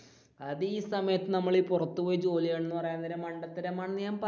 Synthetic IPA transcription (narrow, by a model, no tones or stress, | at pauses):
ɐðiːsɐmɐjɐt̪ːɨnɐmːɐɭipurɐt̪ːupoːjt͡ɕo̞ːlijeɳnːɨpɐrɐjaːnːɐðiɾemɐɳɖɐt̪ːɐɾɐmaːɳɨɲaːmpɐ